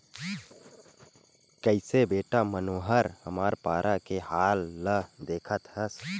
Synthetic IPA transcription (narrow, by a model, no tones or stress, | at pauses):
kəɪsebeːʈamənoːɦəɾhəmaːɾpaːɾʔakehaːlːəd̪eːkʰət̪ɦəs